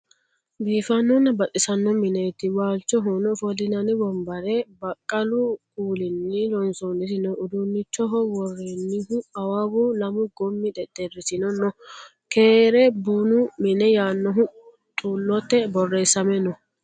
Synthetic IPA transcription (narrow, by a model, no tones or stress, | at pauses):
biːfɐnːɔnɐbɐt̪ʼɪsɐnːɔmɪnɛt̪ːɪwaːlt͡ʃːɔɦɔnɔfɔlɪnɐnɪbɔmbɐɾɛbɐkʼːɐlʊkuːlɪnːɪlɔnsɔnɪt̪ɪnɔʊd̪unːɪt͡ʃːɔɦɔwɔrːeːnːɪhʊɐwabɔlɐmʊɡɔmːɪd̪ɛd̪ɛrːɪsɪnɔnɔ | keːɾɛbuːnʊmɪnɛjaːnːɔɦʊ | t̪ʼuːlːɔt̪ːɛbɔrːeːsːɐmɛnɔ